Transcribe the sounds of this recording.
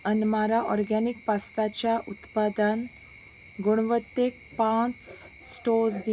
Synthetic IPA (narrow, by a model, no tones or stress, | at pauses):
ənmaɾaʔɔɾɡanikpast̪at͡ɕjaʔut̪pad̪an | ɡuɽ̃ʋət̪ːek̚ | pãt͡s | sːʈosd̪i